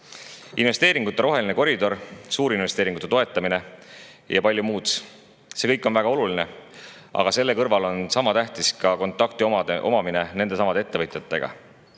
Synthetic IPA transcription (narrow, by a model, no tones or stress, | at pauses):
inve̞st̪eːɾiŋɡut̪ːˑɑɾro̞ɦe̞line̞ko̞ɾid̪o̞ɾsuːɾinvest̪eːɾiŋɡut̪ːˑet̪oe̞t̪ːˑɑmine̞ | jɑ̰pɑlʲjumuːt̪s | se̞kɤjkːˑo̞nvæɡ̥ɑo̞luline̞ | ʔɑ̰ɡ̥ɑse̞lːe̞kɤrvɑlo̞nsɑmɑt̪æht̪iskɑko̞nt̪ːˑɑkt̪ioʔo̞̰mɑmine̞ne̞nd̪esɑmɑd̪ee̞t̪ːe̞vɤt̪ʲˑjɑt̪ːˑe̞̰ɡ̥ɑ̰